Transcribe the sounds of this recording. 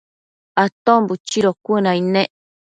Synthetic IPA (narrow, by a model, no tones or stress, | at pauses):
at̪ombut͡ʃiɾokʷunãinẽʔ